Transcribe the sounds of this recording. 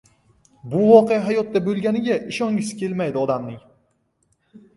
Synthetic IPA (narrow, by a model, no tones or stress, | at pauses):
bʊvɒqʰejaɦajɒt̪ːabɵlɡʲanɪɡʲaʔɪʃɒŋʲɪskʲe̞lmajd̪ɪɒd̪amnɪŋ